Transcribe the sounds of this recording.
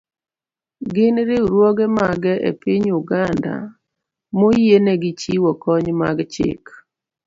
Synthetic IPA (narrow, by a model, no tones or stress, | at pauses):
ɡɪnɾɪɾwɔɡɛmaɡɛʔḛpɪɲuɡanda̰ | mojenɛɡɪt͡ʃiwɔkɔɲma̰ɡt͡ʃɪ̰k